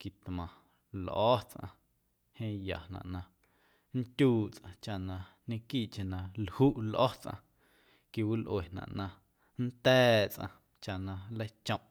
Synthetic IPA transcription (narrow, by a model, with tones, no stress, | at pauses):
ki˨t̪mã˨ | lʔɔ˦t͡sʔã̰˧ | hẽː˦ja̰˨nã̰˨ʔnã˧ | n̩˦t̪ʲuː˦˨t͡sʔã˧t͡ʃa˧ʔnã˧ | nẽ˦kiː˦˨ʔt͡ʃe˧nã˨lhu˦ʔlʔɔ˦t͡sʔã̰˧ | ki˧˨wi˦lʔwe˨nã̰˨ʔnã˧ | n˦t̪ɛː˦t͡sʔã̰˧ | t͡ʃa˧ʔnã˧le˦jt͡ʃõ˧˨ʔ